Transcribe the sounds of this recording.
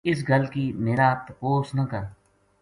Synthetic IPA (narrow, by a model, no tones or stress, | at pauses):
ɪs̬ɡəlkiːmeːɾaːt̪əpoːsnɐkəɾ